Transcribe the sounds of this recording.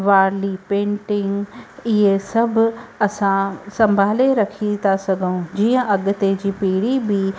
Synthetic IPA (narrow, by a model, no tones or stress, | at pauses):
ʋaːɾlipẽːɳʈɪ̃ŋɡɪɦesɐbʱʊɐsãsɐ̃mbʱaːleɾɐkʰit̪ʰasɐɡʱəũd͡ʑiːə̃ʔɐɠʊ̆t̪ed͡ʑiːpiːɽibi